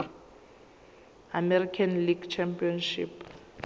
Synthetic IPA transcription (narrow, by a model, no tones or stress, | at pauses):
amɛrikʰanliɡt͡ʃʰɛmpiɔnʃḭp